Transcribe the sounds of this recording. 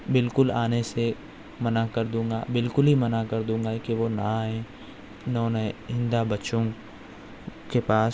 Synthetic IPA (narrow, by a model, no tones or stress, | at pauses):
bɪlkʊlaːnese | mɐnakɐɾd̪ũːŋ̆ɡa̰bɪlkʊlɦimɐnakɐɾd̪ũːŋɡakiʋonaɦẽ | nɔːnəɦɪ̃nd̪abɐt͡ʃõ | kepaːs